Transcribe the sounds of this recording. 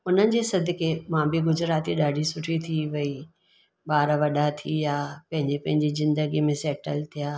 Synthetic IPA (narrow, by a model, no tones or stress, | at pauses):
ʊn̤ənɪ̆d͡ʑeːsɐd̪ʱɪkʰemãbɪɡʊzɾaːt̪iɗaːɖʱisʊʈʰit̪ʰiʋɐi | ɓaːɾʋɐɗat̪ʰijaːpɐ̃ɦɪ̃ɲd͡ʑepɐ̃ɦɪ̃ɲd͡ʑizɪ̃nd̪əɡimẽsɛːʈəlt̪ʰijaː